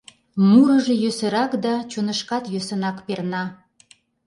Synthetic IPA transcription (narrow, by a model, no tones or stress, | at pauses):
muɾəʒejøsə̆ɾɑkd̪ɑt͡ɕunəʃkɑt̪jøsə̆nɑkpernɑ